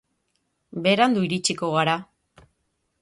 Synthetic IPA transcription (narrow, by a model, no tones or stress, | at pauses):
be̞ɾand̪uiɾit͡ʃiko̞ɣaɾa